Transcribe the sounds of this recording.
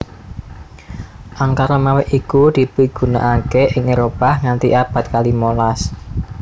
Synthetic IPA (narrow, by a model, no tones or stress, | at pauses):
ʔaŋkaɾamawɪʔikud̪̥i̤b̥i̤ɡ̥ṳna̰ʔakeʔɪŋeɾopahŋant̪iʔab̥a̤t̪̚kalimolas